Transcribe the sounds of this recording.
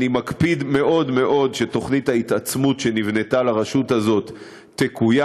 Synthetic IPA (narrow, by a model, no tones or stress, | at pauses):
nimakpidme̞ʔo̞dme̞ʔo̞dʃe̞to̞χnithait̪at͡smutʃe̞nivne̞talaʁaʃuthazo̞tː | ekuja